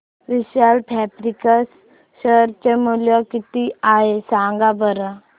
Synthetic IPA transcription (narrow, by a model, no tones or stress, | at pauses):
ʋiɕalpʰɛbɾikəs | ɕəɾt͡ɕemuljɔkit̪iaɦesãŋɡabʱəɾa